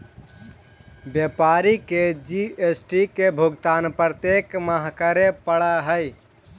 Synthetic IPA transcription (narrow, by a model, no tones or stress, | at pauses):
bjepaɾiked͡ʒiesʈikebʱuɡt̪anpɾət̪ekməɦkəɾepəɽaɦəj